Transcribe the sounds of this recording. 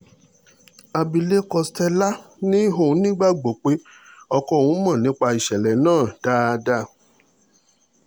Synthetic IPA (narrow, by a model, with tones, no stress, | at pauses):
a˧bi˧le˦kɔ˧stɛ˧la˦nĩ˦ɦõ˦˨˦nĩ˦ɡ͡ba˦ɡ͡bo˨k͡pe˦ | ɔ˧kɔ˧˨wũ˦mã˦˨nĩ˨˦k͡pa˧i˨ʃɛ˨lɛ˨nãː˦˨d̥a˦˧da˦˨